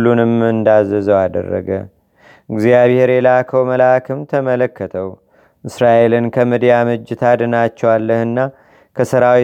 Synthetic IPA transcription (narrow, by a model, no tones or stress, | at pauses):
lːunɨmɨnd̪azːəzəwad̪ə̰rːə̰ɡə̰ | ʔɨɡzijaβhe̞ɾelakʰəwməlaakʰɨmt̪ʰəmələkːət̪ʰəw | ʔɨsɾaʔe̞lɨnkʰəmɨd̪ijamɨd͡ʒːɪt̪ʰad̪ɨnat͡ʃːɛwalːəhɨnːa | kʰəsɨɾawi